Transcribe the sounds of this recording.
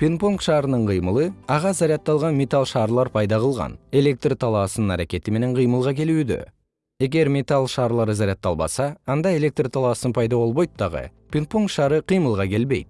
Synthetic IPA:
pʰʲinpuŋkʃɑːɾənəɴqʰijməlˠəɑʁɑzɑɾijɑt̪ːɑlˠʁɑnmʲet̪alˠʃɑɾlˠɑɾpʰɑjd̪ɑqəlˠʁɑ̰ne̞le̞k̚t̪rt̪ʰɑlˠɑsənəɴæɾækʲe̞t̪ɪme̞neɴqʰijməlˠʁɑkʲʰe̞luɪd̪ḛ | e̞ɡʲe̞ɾmʲet̪alˠʃɑːɾlˠɑɾəzaɾʲjɑt̪ːɑlˠbɑ̰sɑːnd̪ɑe̞lʲe̞k̚t̪rt̪ʰɑlˠɑsənpʰɑjd̪ɑwo̞lˠbojt̪ʰːɑʁə̰pʰʲinpuŋkʃɑɾəqʰijməlˠʁɑkʲʰe̞lbe̞jd̪

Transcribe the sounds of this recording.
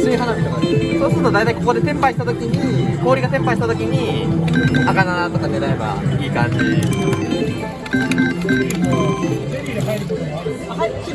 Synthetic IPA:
sɨiɦanaɕiansoːsɨɾɯt̪od̪ait̪aiko̞ko̞d̪e̞sẽ̞mpaiɕit̪at̪okʲiɲ̟iko̞ːɾʲiɡasẽ̞mpaiɕit̪at̪o̞kʲiɲ̟i | sakanat̪okaneɾaeba̰iːkãɲ̟d͡ʑie

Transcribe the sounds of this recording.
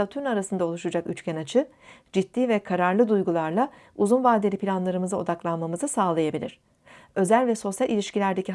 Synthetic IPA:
at̪ʰyɾnaɾasɯnd̪ao̞lˠuʃud͡ʒaky̰t͡ʃcʰɛnat͡ʃʰɯ | d͡ʒit̪ːiːvɛkʰaɾaɾlˠɯd̪ujɡulˠaɾlˠa | uzunvaːd̪elʲipilʲanlˠaɾɯmɯzɯo̞̰d̪aklˠanmamɯzɯsaːlˠajabilʲḭɾ̥ | ø̞zælʲvɛso̞sjalʲilʲiʃcilʲæɾd̪e̞ci

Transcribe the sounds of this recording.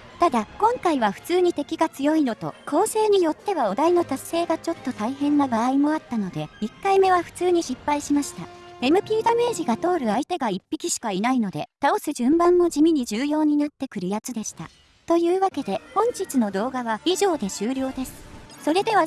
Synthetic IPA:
t̪ad̪akõ̞ŋkaiβaɸɯ̟̥t͡sɨːɲ̟it̪e̞kʲiɡat͡sɨjo̞ino̞t̪o̞̰kʰo̞ːse̞ːɲ̟ijo̞t̪ːe̞βao̞d̪aino̞t̪asːe̞ːɡat͡ɕo̞t̪ːo̞t̪aihẽ̞nːabaaimo̞at̪ːano̞d̪e̞ikːaime̞βaɸɯ̟̥t͡sɨːɲ̟iɕipːaiɕimaɕi̥t̪a̰e̞mɯ̟pʲiːd̪ame̞ːʑiɡat̪o̞ːɾɯ̟ait̪e̞ɡaipʲːikʲiɕi̥kainaino̞d̪e̞̰t̪ao̞sɨʑɨ̃mbãmːo̞d͡ʑimʲiɲ̟id͡ʑɨːjo̞ːɲ̟inat̪ːe̞kɯ̟ɾɯ̟jat͡sɨd̪e̞ɕi̥t̪a̰ | t̪o̞jɯ̟ːβake̞d̪e̞hõ̞ɲ̟d͡ʑit͡sɨno̞d̪o̞ːɡaβaiʑo̞ːd̪e̞ɕɨːɾʲjo̞ːd̪e̞sɨ̥so̞ɾe̞d̪e̞βa

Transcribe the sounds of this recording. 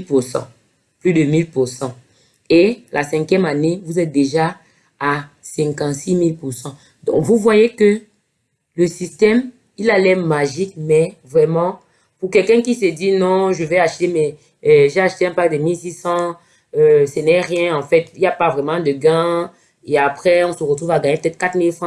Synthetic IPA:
pusɑ̰̃ | plyd̪əmilpuʁsɑ̃ | elʔasɛ̃kjɛmanevuzɛt̪̚d̪eʒa | asɛ̃kɑ̃t̪similpuʁsɑ̃ | d̪ɔ̰̃kvuvwajekə | ləsist̪ɛm | ilalɛmaʒik̚mɛvʁɛmɑ̃ | puʁkɛlkɛ̃kised̪inɔ̃ʒəvɛaʃt̪emɛ | ʒeaʃt̪eɛ̃pakd̪əmilsisɑ̃ | øsɛnɛʁjɛ̃ɑ̃fɛt̪iljapavʁɛmɑ̃d̪əɡɛ̃ | eapχɛɔ̃səʁət̪χuvaɡaɲepø̥t̪ɛt̪̚kat̪milfχɑ̃

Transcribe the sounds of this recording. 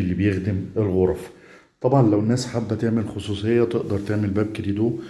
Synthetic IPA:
elːibejexd̪ɪmelɣoɾˤf | t̪ˤɑbʕɑnlæwenːæːsħabːæt̪eʕmelxosˤuːsˤejːɑt̪eʔd̪ɑɾˤt̪eʕmelbæːb̚ked̪iːd̪u

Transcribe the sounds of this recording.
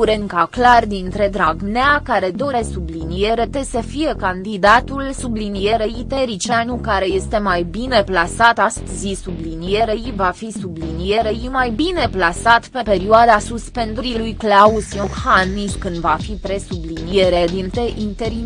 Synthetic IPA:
uɾeŋkaklard̪int̪ɾe̞d̪ɾaɡneakaɾe̞d̪o̞ɾe̞sublinije̞ɾet̪e̞səfije̞kand̪id̪at̪ulsublinije̞ɾeit̪e̞ɾit͡ʃanukaɾe̞je̞st̪e̞majbine̞plasat̪ast̪zisublinije̞ɾejvafisublinije̞ɾe̞jimajbine̞plasat̪pe̞pe̞ɾioad̪asuspe̞nd̪uɾilujklausjohaniskɨnd̪vafipɾe̞sublinije̞ɾed̪int̪e̞ʔint̪e̞ɾi

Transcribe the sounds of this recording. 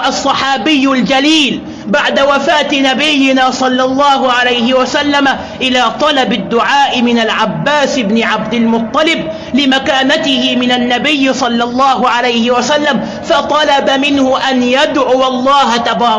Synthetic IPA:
ʔɑsˤːɑħɑːbɪjːʊld͡ʒaliːl | baʕd̪awafaːt̪ɪnabɪjːɪnaːsˤɑlːɑlˤːɑːɦʊʕalajhɪwasalːama | ʔɪlaːt̪ˤɑlɑbad̪ːʊʕaːʔɪmɪnalʕabːaːsɪbnɪʕabd̪ɪlmʊt̪ˤːɑlɪb̚ | lɪmakaːnat̪ɪhɪmɪnanːabɪjːsˤɑlːɑlˤːɑːɦʊʕalajhɪwasalːam | fɑt̪ˤɑlabamɪnhʊʔanjad̪ʕʊwɑlˤːɑːhat̪abɑːɾˤ

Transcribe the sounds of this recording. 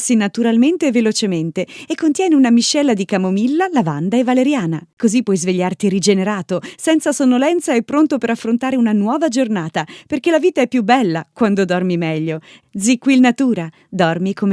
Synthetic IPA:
sinat̪uɾalment̪evelot͡ʃement̪eeːkːont̪jɛːneunamiʃːɛlːad̪ikamomilːalavand̪aevːaleɾjaːna̰kozipːwɔjzveʎːart̪iɾid͡ʒeneɾaːt̪osɛnt̪sasonːolɛnt̪saepːɾont̪opeɾafːɾont̪aːɾeunanwɔːvad͡ʒornaːt̪aperkelaviːt̪aɛpːjubːɛlːakwand̪od̪ɔrmimɛʎːod̪zikːilnat̪uːɾa | d̪ɔrmikʰom

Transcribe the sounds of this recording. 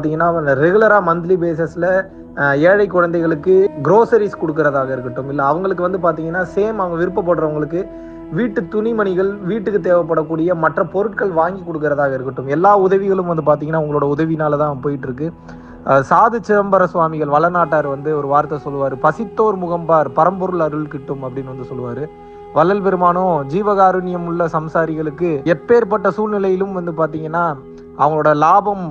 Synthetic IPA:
t̪iːŋɡɐnːaːɾɛɣɯɭlɐɾaːmɐnd̪ɪlibeːsɛsɪlɐ | eːɻɐɪkːɔɻɐnd̪ɐɪɣɐɭɯkːɯɡɪɾoːsɐɾiskɔɽɯk̬ːɪɾɐðaːɣɐɪɾɯkːɐʈːɯmɪlːɐːʋɐŋɡɐɭɯk̬ːɯʋɐnd̪ɯp̬aːɾt̪iːŋɡɐnːaːseːmɐʋɐŋɡɐʋɪɾɯpːɐp̬ːɐːɽɯɾɐʋɐŋɡɐɭɯkːɯ | ʋiːʈːɯt̪ʊnɪmɐnɪɣɐɭʋiːʈːɯkːɯt̪̬eːʋɐp̬ːɐɽɐkːuːɽɪjɐmɐʈrɐpɔɾɯʈ̚kɐɭʋaːŋɡikːɔɽɯkːɪɾɐðaːɣɐɪɾɯkːɐʈːɯmɛlːaːʊðɐʋɪɣɐɭɯmʋɐnd̪ɯp̬aːɾt̪iːŋɡɐnːaːʊŋɡɐɭoːɽɐʊðɐʋinaːlɐt̪ãːɐɐpoːjɪʈːɪɾɯkːɯ | saːðɯt͡ʃːɪɾɐmbɐɾɐsʋaːmɪɣɐɭʋɐɭɐnaːʈːaːɾʋɐnd̪ɯɔɾɯʋaːɾt̪ːɐsɔlːɯʋaːɾɯpɐsɪt̪ːoːɾmʊɣɐmbaːɾpɐɾɐmbɔɾɯɭɐɾɯɭkɪʈːɯmɐpːɐɽɪnːʋɐnd̪ɯsɔlːɯʋaːɾɯ | ʋɐlːɐlpɛɾɯmaːɳõːd͡ʒiːʋɐɣaːɾɯnɪjɐmɯɭːɐsɐmsaːɾɪɣɐɭɯkːɯɛpːeːɾpɐʈːɐsuːlnɪlɐjɪlɯmʋɐnd̪ɯpaːɾt̪̬iːŋɡɐnːaː | ʔɐʋɐŋɡɐɭoːɽɐlaːbɐm

